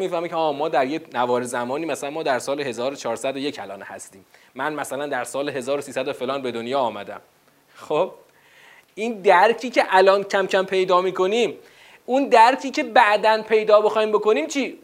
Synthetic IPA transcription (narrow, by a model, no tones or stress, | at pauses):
miːfæɾmicʰeɒːmɒːd̪æɾjenævɒːɾezæmɒːniːmæsælænmɒːd̪æɾsɒːlehe̞zɒːɾot͡ʃʰɒːɾsæd̪oje̞cʰælɒ̰ːnhæ̰st̪iːmː | ænmæsælænd̪æɾsɒːleɦe̞zɒːɾosiːsæd̪ofe̞lɒːnbe̞d̪onjɒːmæd̪æ̰m | xob̥̚ | ʔind̪æɾcʰiːcʰeʔælɒːncʰæmcʰæmpʰe̞jd̪ɒːmiːko̞niːm | und̪æɾcʰiːcʰe̞bæʔd̪ænpʰe̞jd̪ɒːbexɒːiːmbo̞ko̞niːmt͡ʃʰiː